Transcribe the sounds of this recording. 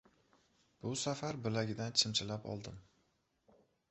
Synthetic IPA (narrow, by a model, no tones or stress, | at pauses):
b̥ʊsafaɾbɪlaɡʲɪd̪ant͡ʃʰɪmt͡ʃʰɪlapʰɒ̰lˠd̪ɪm